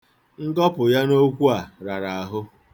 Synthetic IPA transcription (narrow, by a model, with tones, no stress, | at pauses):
ŋ̩˦ɡɔ˦pʊ˨ja˦no˦kʷu˦a˨ɾa˨ɾa˨a˨ɦʊ˦